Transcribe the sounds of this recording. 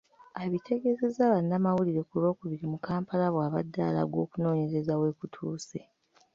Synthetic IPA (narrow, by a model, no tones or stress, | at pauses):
aβitʰe̞ɡe̞ze̞zaβanːamawuliɾe̞kuβo̞ːkuβiɾimukaːmpalaβwaːβadːala̰ɡo̞ːkuno̞ːɲe̞ze̞zawe̞ːkutʰuːse